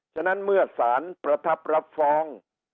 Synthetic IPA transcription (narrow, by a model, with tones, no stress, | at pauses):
t͡ɕʰa˧˩na˦˥nmɯ˥˩ɐsaː˩˦npɾa˧t̪ʰa˦˥p̚ɾa˦˥p̚fɔː˦˥ŋ